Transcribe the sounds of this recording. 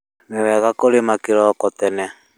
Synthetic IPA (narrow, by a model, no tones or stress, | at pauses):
mewɛɣakoɾemakɪɾɔkɔt̪ɛnɛ